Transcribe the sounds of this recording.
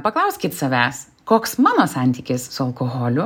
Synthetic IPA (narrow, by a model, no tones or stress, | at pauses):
pɐklˠɐʊsʲkʲɪt̪sɐʋʲæːs | koːksmɑːnoːsɑˑnʲt̪ʲikʲɪssʊɐlˠkoːɣoːlʲʊ